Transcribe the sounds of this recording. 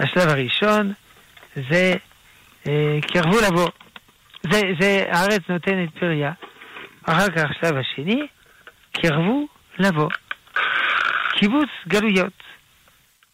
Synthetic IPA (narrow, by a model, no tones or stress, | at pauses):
aʃlavaʁiʃo̞n | ze | kʰiʁvulavo̞ | zezea̰aʁet͡snot̪enet̪̚piʁja | aχaʁkaχʃlavaʃeni | kʰiʁvu | lavo̞ | kʰibut͡sɡalujo̞t̪